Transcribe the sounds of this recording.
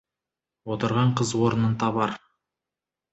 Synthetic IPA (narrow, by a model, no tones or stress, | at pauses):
wot̪əɾʁɑɴqʰəzwoɾənənt̪ʰɑβɑɾ